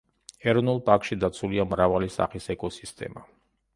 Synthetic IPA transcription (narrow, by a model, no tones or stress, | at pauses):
ɛɾɔnulˠpʼakʃid̪at̪sʰuliamɾavalisa̰χisɛkʼɔsist̪ʼɛ̰ma